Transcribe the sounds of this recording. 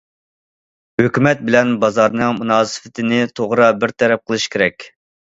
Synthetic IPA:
høkʲymɛt̪̚bɪlɛnbɑzɑɾnɨŋmunɑːsɨ̥fɪt̪ʰɪnɪt̪ʰoʁɾɑbɪɾt̪ʰɛɾɛp̚qʰəlˠɨʃkʲʰeɾɛkʲ

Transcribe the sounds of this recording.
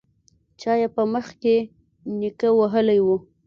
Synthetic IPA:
t͡ʃɑjapəməxke | nikəwaɦəlajwu

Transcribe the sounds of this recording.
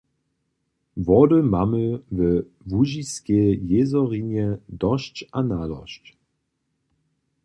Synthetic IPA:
vɔdəmaməvə | vuʒiskejezɔʁinjədɔʃt͡ʃanaːdɔ̰ʃt

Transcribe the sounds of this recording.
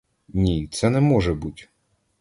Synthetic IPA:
nʲit̪sɛnɛmɔʒɛbutʲ

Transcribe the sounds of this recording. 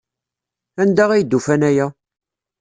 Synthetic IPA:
ænd̪æʁæjd̪ːufænæjæ

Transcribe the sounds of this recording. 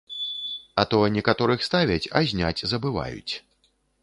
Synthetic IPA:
ɐt̪ɔnʲɛkat̪ɔɾɨxst̪avʲɐt͡sʲɐ̰zʲnʲat͡sʲzɐbɨva̰jṵt͡sʲ

